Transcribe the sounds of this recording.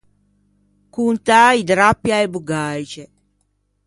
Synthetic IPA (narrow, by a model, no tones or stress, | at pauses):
kunt̪aid̪ɾapːjaebuɡajt͡ʃe